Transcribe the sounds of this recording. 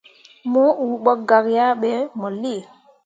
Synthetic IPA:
mu˦u˨ɓɔ˦k̚ɡa˨kja˦ɓe˨˦mɔ˨li˦˨

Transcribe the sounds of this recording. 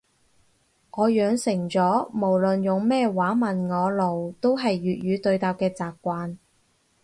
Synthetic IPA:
ŋɔː˨˧jœː˨˧ŋsɪ˨˩ŋt͡sɔː˨˥mo˨˩wlɵ˨njʊ˨ŋmɛː˥waː˨˥mɐ˨nŋɔː˨˧lo˨wt̪o˥wɦɐ˨jːyː˨t̚ɥyː˨˧t̪ɵ˧ɥt̪aː˨p̚kɛː˧t͡saː˨p̚kʷaː˧n

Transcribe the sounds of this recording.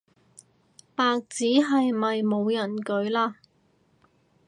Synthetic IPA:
paː˧k̚t͡siː˨˥ɦɐ˨jmɐ˨jmo˨˧wjɐ˨˩nkɵ˨˥ɥlaː˥

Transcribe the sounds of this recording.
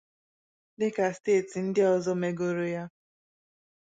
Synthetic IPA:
nɪ˦ka˨steː˦˨ti˨n̩˦dɪ˦ɔ˨zɔ˦me˨ɡo˨ɾo˨ja˦

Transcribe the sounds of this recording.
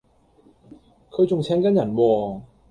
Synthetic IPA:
kʰɤ˧jt͡ɕʊ˧ŋt͡ɕʰɛː˦˥ŋkaː˧˥nja˨˩nwɔː˧

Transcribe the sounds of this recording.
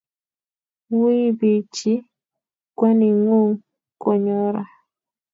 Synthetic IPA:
wi˦bi˨t͡ʃi˦ | kwa˦ni˨ŋo˦ŋ | kɔ˨ɲɔ˦ɾa˨

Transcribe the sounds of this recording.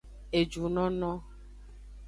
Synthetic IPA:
e˨d͡ʒu˨nɔ̃˦nɔ̃˦

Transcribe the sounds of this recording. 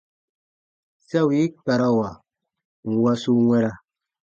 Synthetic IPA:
sa˦wi˨˦k͡pa˨ɾa˦˨wa˨ | ŋ̩˨wa˦su˦ŋwɛ˦ɾa˦˨

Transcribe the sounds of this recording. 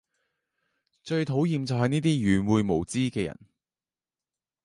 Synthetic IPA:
t͡ʃɵ˧ɥt̪ʰo˨˥wjiː˨˧mt͡sɐ˨wɦɐ˨jniː˥t̪iː˥jyː˨˩nwuː˨˧jmo˨˩wt͡siː˥kɛː˧jɐ̰˨˩n

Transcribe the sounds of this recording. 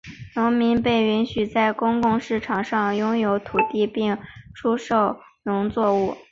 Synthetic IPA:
nʊ˧˥ŋmi˧˥npe˥˩ɪy˧˥nɕy˨˩t͡sa˥˩ɪkʊ˥ŋkʊ˥˧ŋʂɻ̩˥˩ʈ͡ʂʰɑ˨˩ŋʂɑ˥˩ŋjʊ˥ŋjo˧˥ʊt̪ʰu˨˩t̪i˥˧pi˥˩ŋʈ͡ʂʰu˥ʂo˥˩ʊ | nʊ˧˥ŋt͡swɔ˥˧u˥˩

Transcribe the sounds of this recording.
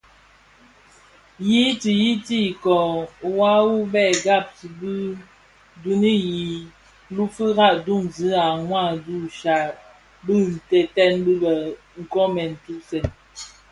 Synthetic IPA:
ji˦ti˨ji˦ti˦˨kɔ˨wa˦wu˦bɛ˦˨ɡa˦˨p̚ti˨bɨ˦ | du˨˦ni˦ji˨ | lu˦fɨ˦ɣa˦ʔdu˦˨ŋzi˨˦a˨ŋwa˦˨du˦˨ʃa˨ | bɨ˦n̩˨tɛ˨tɛ˦nbi˦bə˨ | ŋ̩˨kɔ˦mɛ˨n̩˨tu˦se˨n

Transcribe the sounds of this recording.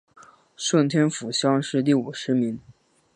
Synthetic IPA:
ʂwə˥˩nt̪ʰjɛ˥nfu˨˩ɕjɑ˥ŋʂɻ̩˥˧t̪̬i˥˩u˨˩ʂɻ̩˧˥mi˧˥ŋ

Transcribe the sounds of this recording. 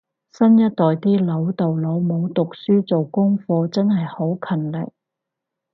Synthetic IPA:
sɐ˥njɐ˥t̚t̪ɔː˨jt̪iː˥lɐ˨˥wt̪o˨wlo˨˧wmo˨˧wt̪ʊ˨k̚syː˥t͡so˨wkʊ˥ŋfɔː˧t͡sɐ˥nɦɐ˨jho˨˥wkʰɐ˨˩nlɪ̰˨k̚

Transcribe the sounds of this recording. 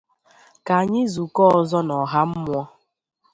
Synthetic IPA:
ka˨ɲɪ˦zu˨kɔ˦ɔ˨zɔ˦nɔ˨ɦa˦m̩˦mʷ˦ɔ˦

